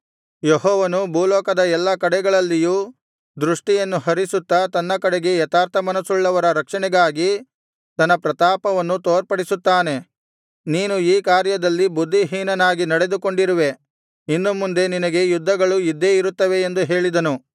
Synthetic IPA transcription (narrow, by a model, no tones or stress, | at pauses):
jeɦɔːʋɐnubʱuːlɔːkɐd̪ɐɛlːɐkɐɽɛɡɐɭɐlːijuː | d̪ɾuʂʈijɐnːuɦɐɾisut̪ːɐt̪ɐnːɐkɐɽeɡe̞jɛt̪aːɾt̪ʰɐmɐnɐsuɭːɐʋɐɾɐɾɐkʂɐɳɛɡaːɡi | t̪ɐnːɐpɾɐt̪aːpɐʋɐnːut̪oːɾpɐɽisut̪ːaːne̞ | niːnuiːkaːɾjɐd̪ɐlːibud̪ʱːiɦiːnɐnaːɡinɐɽe̞d̪uko̞ɳɖiɾiʋe̞ | inːumːund̪e̞ninɐɡe̞jud̪ʱːɐɡɐɭujid̪ʱːeiɾut̪ːɐʋe̞ːnd̪uɦe̞ːɭid̪ɐnu